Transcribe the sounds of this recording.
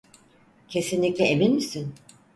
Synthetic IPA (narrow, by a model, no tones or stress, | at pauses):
cʰe̞sinlʲiclʲɛeminmisin